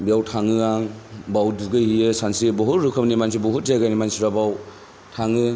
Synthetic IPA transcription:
bjawtʰaŋɯaŋbawduɡɯhiɯsansibɔɦuɾɯkʰɯmnimansibɔɦut̚d͡ʒaɡanimansiɾabaw | tʰaŋɯ

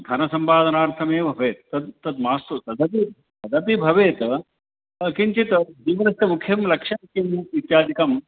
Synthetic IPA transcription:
d̪ʱɐnɐsɐmpaːd̪ʱɐnaːɾt̪ʰɐmeːbʱɐʋeːt̪̚ːɐd̪ːɐd̪maːst̪ut̪ɐd̪ʱɐp̬i | t̪ɐd̪ʱɐpibʱɐʋeːt̪ | kint͡ʃit̪d͡ʒ̪iːʋɐɾɐsʈɐmukʰjɐmlɐkʂɐmkjɐmʋit̪jaːd̪ikɐm

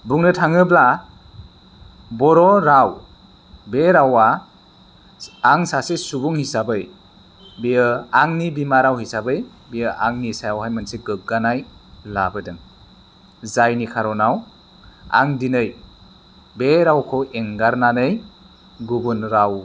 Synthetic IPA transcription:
buŋnɯtʰaŋɯbla | bɔɾɔɾaw | beɾawa | aŋsasesubuŋhisabɯj | bijɯaŋnibimaɾawhisabɯj | bijɯʔaŋnisajawhajmanseɡɯk̚ɡanajlabɯdɯŋ | zajnikʰaɾɔnaw | a̰ŋdinɯj | beɾawkʰɔʔeŋɡaɾnanɯj | ɡubunɾaw

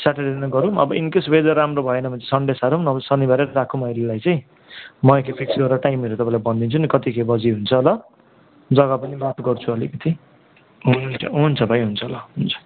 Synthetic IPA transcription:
saʈaɾd̪inʌɡʌɾuʌbʌʔinkesbed͡zʌɾamrobʱʌenʌbʱʌ̃nt͡sesʌɳɖesaɾunʌbʌsʌnibʱaɾeɾʌɾakʰumʌjlilajt͡sʌj̃ | mʌjekepʰiksɡʌɾɾaʈajmeɾet̪ʌpãĩlajbʌnd̪int͡sʰunikʌt̪ikʰebʌd͡ziɦunt͡sʰʌlʌ | d͡zʌɡʌpʌnibat̪ɡʌrt͡sʰuʌlikʌt̪ʰi | ɦunt͡sʰʌ̰ɦunt͡sʰʌbʱʌj̃ɦunt͡sʰʌlʌɦunt͡sʰʌ̥

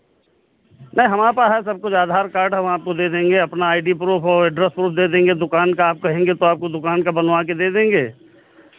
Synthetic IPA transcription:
nɐĩɦɐmaːpaɦɛsɐb̚kʊt͡ʃaːd̪ʱaːɾkaːɾɖɦɛʋɐaːp̚kod̪eːd̪ẽːŋɡeɐpnaaːɪɖipɾuːpʰɔːɾɖɾɛspɾuːpʰd̪eːd̪ẽːŋɡed̪ʊkaːnkaaːp̚kɐɦẽːŋɡet̪oaːp̚kod̪ʊkaːnkabɐnʋaked̪eːd̪ẽːŋɡeː

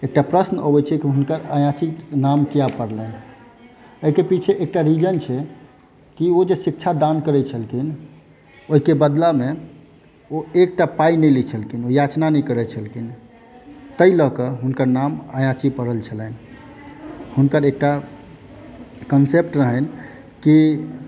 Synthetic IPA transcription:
ek̚ʈapɾəsnəbɛt͡ʃʰɛkiɦunkəɾajãt͡ʃinamkijapəɾlən | oɦikepit͡ʃʰeʔek̚ʈaɾid͡ʒənt͡ʃʰɛ | kiod͡ʒesik̚t͡ʃʰad̪ankəɾɛt͡ʃʰəlkin | oɦikebəd̪lame | oek̚ʈapainəjlit͡ʃʰəlkinojat͡ʃnanɛkəɾɛt͡ʃʰəlkin | t̪əjlɔkəɦunkəɾnamajãt͡ʃipəɽəlt͡ʃʰələn | hunkəɾek̚ʈa | kənsep̚ʈɾəɦən | ki

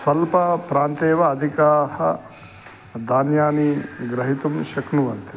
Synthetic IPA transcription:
sɐlpɐpɾaːnt̪eːʋɐːd̪ʱikaːhɐ | d̪aːnjaːniɡɾɐɦit̪umʃɐknuʋɐnt̪i̥

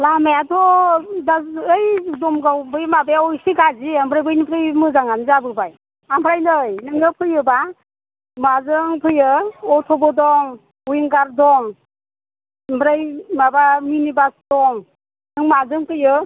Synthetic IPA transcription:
lamajatʰɔdaːjdɔmɡawbɯjmabeɔjsiɡaziambʰɾajbɯjnipʰɾɯjmɯzaŋanzabɯbaj | ampʰɾajnɯjnɯŋɯpʰɯjɯba | mazɯŋpʰɯjɯɔtʰɔbɔdɔŋ | ujiŋɡaɾdɔŋ | mbʰɾajmabaminibasdɔŋ | nɯŋmazɯŋpʰɯjɯ

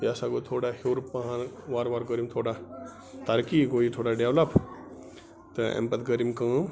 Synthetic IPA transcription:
asaɡot̪ʰoːɽahoːɾpɐɦãnʋaːɾʋaɾɡəɾimt̪ʰoːɽa | t̪aɾkiɡoit̪ʰoːɽaɖeʋlɐp | t̪əḛ̃mpɐt̪ɡəɾimkə̃

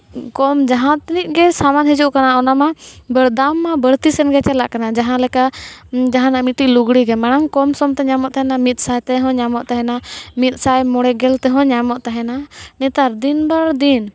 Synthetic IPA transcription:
kɔmd͡ʒaɦãt̪nit̪̚ˀɡɛsamanɦid͡ʒuʔkanaɔnamabəɾd̪amːabəɾt̪isɛnɡɛt͡ʃɛlaʔkanad͡ʒaɦãlɛkad͡ʒaɦãnamiʈiluɡɽiɡɛmɛɽ̃aŋkɔmsɔmt̪ɛɲamɔʔt̪aɦɛnamit̪̚sajt̪ɛɦɔ̃ɲamɔʔt̪aɦɛnamit̪̚ˀsajmɔɽɛɡɛlt̪ɛɦɔ̃ɲamɔʔt̪aɦɛnanɛt̪aɾd̪inbaɾd̪in

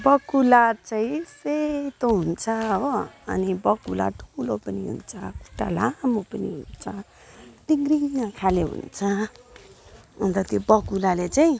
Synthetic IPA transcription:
bʌkulat͡saĩset̪oɦunt͡sʰʌːbʌʌ̰nibʌkula̰ʈʰulopʌniɦṵnt͡sʰʌku̥ʈa̰lamopʌniɦṵnt͡sʰʌ | d̪iŋɡriŋakʰaleɦṵnt͡sʰʌ | unt̪ʌt̪jobʌkulalet͡saĩ

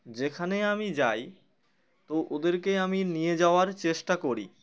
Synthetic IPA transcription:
d͡ʑekʰaneamid͡ʑaj | t̪oʔod̪eɾkeaminijed͡ʑaoaɾt͡ɕeʃʈakoɾḭ

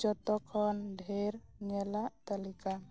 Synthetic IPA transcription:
d͡ʒɔt̪ɔkʰɔnɖʱeɾɲɛlaʔt̪alika

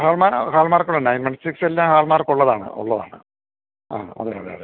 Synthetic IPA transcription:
ɦaːlmaːhaːlmaːrkːuɭːɐnɐjnmeɳɖsikselːaːmhaːlmaːrkuɭːɐðaːɳɨ̰ʔo̰ɭːɐða̰ːɳɨ̰ | a̰ːo̰nːɐɾa̰ða̰ːɽe

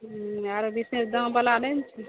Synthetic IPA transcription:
aɾbisnesd̪ə̃bəlanɛnt͡ʃʰi

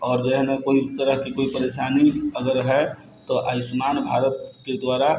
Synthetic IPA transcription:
ɔːɾdeɦnekoːiʊt̪ːəɾəɦkikoːipəɾeʃaːniəɡəɾɦɛ | t̪oʔaːjsʊmaːnbʱaːɾət̪ked̪waːɾa

